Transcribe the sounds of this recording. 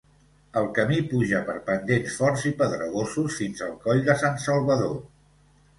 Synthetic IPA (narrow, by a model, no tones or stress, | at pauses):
əlˠkəmipuʒəpəɾpənd̪ensfɔɾzipəðɾəɣ̞osusfinzəlˠkɔʎd̪əsansəlˠβəðo